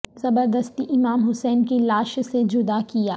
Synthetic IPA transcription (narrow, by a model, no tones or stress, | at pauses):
z̥ɐbəɾd̪əst̪iʔɪmaːmɦʊsɛːnkelaːʃsed͡ʒʊd̪akijaː